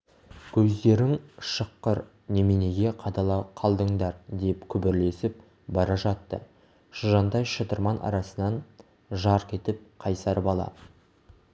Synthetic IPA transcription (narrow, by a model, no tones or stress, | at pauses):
kʲʰɵzd̪e̞ɾɪŋʃəqːəɾ | ne̞mene̞ɡʲe̞qʰɑt̪ɑlˠɑqʰɑlˠd̪əɴd̪ɑɾd̪epkʲʰʏbɪɾle̞sɪp̚ | bɑɾɑʒɑt̪ːə̰ | ʃəʒɑnd̪ɑjʃət̪əɾmɑnʔɑ̰ɾɑsənɑn | ʒɑɾqʰe̞t̪ɪp̚qʰɑjsɑɾəpɑlˠɑ̰